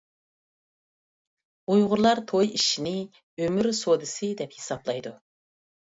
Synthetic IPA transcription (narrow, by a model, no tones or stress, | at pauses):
ujʁʊɾlˠɑɾt̪ʰojiʃinɪ | ømyɾsod̪ɨsɨd̪ɛphesɑblˠɑjd̪u